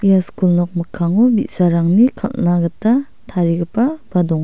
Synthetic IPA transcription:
ijaskulnɔk̚mɯkʰːaŋubit̚saɾaŋnikʰa̰lnaɡətːa | tʰaɾiɡɯpab̥adɔŋ

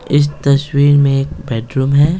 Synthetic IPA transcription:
ɪs̬t̪ɐswiːɾmẽeːk̚bɛːʈɾuːmɦɛː

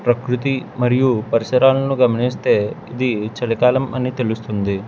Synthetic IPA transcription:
pɾɐkɾut̪imɐɾijupɐɾisɐɾaːlɐnuɡɐmɐnist̪e̞ːid̪it͡ʃɐɽɐkaːlɐmɐnːit̪elust̪und̪i

